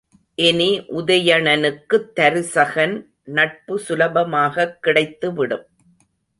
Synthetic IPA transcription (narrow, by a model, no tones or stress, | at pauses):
ʔɛniʔʊðɐjɐɳɐnɯkːɯt̪ːɐɾɯsɐɣɐn | nɐʈ̚pɯsʊlɐbɐmaːɣɐkːɪɽɐɪt̪ːɯʋɪɽɯm